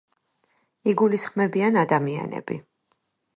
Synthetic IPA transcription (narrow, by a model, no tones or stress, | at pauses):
iɡulisχmɛbianad̪amia̰nɛ̰b̥ḭ